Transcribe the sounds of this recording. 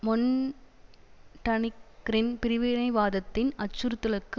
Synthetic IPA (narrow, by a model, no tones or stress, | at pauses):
mɔn | ʈɐnɪkːɾɪnpɪɾɪʋeːɾɐɪʋaːðɐt̪ːɪnɐt͡ʃːʊɾɯt̪ːɯlɐkːɯ